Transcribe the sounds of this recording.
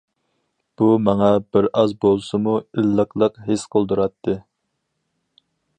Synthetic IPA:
b̥umɑŋɑbɪɾɑzbolˠsɨmuilːəqʰlˠəqɦesqʰəlˠd̪uɾɑt̪ʰːɨ

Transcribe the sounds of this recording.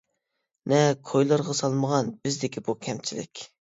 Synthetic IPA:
nɛkʰojlˠɑɾʁɑsɑlˠməʁɑnb̥ɪzd̪ɪkʲʰibukʲʰɛmt͡ʃʰilɪ̰kʲ

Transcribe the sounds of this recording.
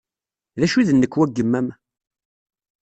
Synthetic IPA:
ðæʃuðənːəkːwæɡːəmːæm

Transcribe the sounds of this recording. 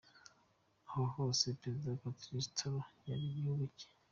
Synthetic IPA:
ahoho̞ːsepɾezidakakɾistʰoɾojaɾiβiuβuce̥

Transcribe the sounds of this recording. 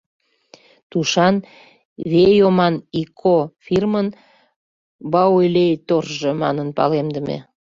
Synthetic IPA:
t̪uʃɑn | βejomɑnikʰofirmən | bɑolʲejt̪orʒemɑ̰nənpɑ̰lemd̪ə̆mḛ

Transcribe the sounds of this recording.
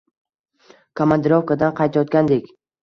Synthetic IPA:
kʰamand̪ɪɾofkad̪anqʰɑjt̪ʰajɒt̪̚kʲand̪ekʲ

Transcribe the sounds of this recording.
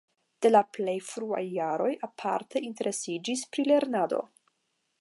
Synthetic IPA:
d̥e̞laple̞jfɾua̰jːaɾo̞japʰa̰ɾte̞inte̞ɾʔe̞sid͡ʒispɾile̞ɾnado̞̰

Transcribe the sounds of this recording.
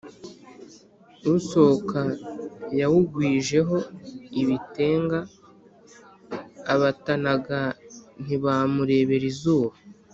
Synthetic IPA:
uso̞kajawuɡwiːʒe̞ɦo̞iβite̞ːŋɡa | βatanaɡan̥iβamuɾe̞ːβe̞ɾizuːβa

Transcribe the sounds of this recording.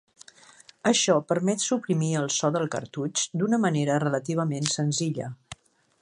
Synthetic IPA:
əʃɔpəɾmɛt̪supɾimiəlˠsɔðəlˠkə̰ɾt̪ut͡ʃd̪unəməneɾərələt̪iβ̞əmensənziʎə

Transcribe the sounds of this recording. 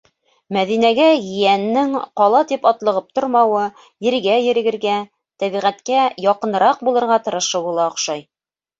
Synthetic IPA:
mæðinæɡæjɘ̆jænːɘŋqɑlˠɑt̪ipɑt̪lˠɤ̆ʁɤp̚t̪ŏɾmɑwɤ | jɘ̆ɾɡæjɘ̆ɾɘ̆ɡɘ̆ɾɡæ | t̪æβiʁæt̪kæjɒqɤ̆nɤ̆ɾɑq̚bulˠɤ̆ɾʁɑt̪ɤ̆ɾɤ̆ʃɤbulˠɑŏqʃɑj

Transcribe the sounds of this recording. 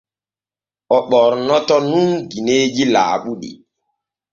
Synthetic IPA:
ɔɓɔɾnɔtɔnumɡined͡ʒila̰ːɓuɗḭ

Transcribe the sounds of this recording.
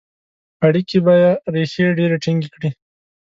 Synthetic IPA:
aɽikibajaɾeʃeɖeɾeʈiŋɡikɽi

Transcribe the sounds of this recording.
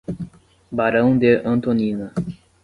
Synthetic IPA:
baɾəwnd̪eʔant̪oninə

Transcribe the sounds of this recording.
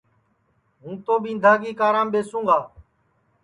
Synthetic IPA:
ɦũːt̪oːɓĩːnd̪ʱaːɡiːkaːɾãːmɓeːsũːŋɡaː

